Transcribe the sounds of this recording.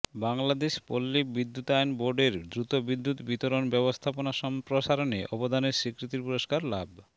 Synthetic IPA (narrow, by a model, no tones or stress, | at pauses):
baŋlad̪eʃpolːibid̪ːut̪ajnboɾɖeɾd̪ɾut̪obid̪ːut̪bit̪oɾonbɛbost̪ʰaponaʃɔmpɾoʃaɾoneʔɔbod̪ʱaneɾʃikɾit̪iɾpuɾoʃkaɾlab